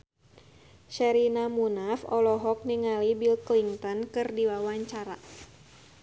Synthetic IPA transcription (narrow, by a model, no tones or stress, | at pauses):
ʃɛɾinamunafɔlɔɦɔk̚niŋalibilkliŋt̪ɔnkɨrdiwawaɲt͡ʃaɾa̰